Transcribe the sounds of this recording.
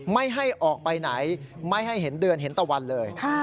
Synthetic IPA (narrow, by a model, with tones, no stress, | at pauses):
ma˥˩jɦa˥˩jʔɔː˨˩k̚pa˧jna˩˦jma˥˩jɦa˥˩jɦe˩˦ndɯ˧ənɦe˩˦nt̪ɔː˨˩wa˧nlɤː˧jkʰaː˥˩